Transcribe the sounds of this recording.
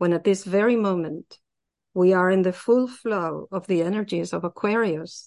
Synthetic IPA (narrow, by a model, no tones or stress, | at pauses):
wə̃nɨt̪̚ðɪsvɛɹimõʊ̃mɨ̃nt | wiə˞ɨ̃nðɨfʊlˠfloʊʌvðiɛnə˞d͡ʒizʌvəkʰw̥ɛɹiɨs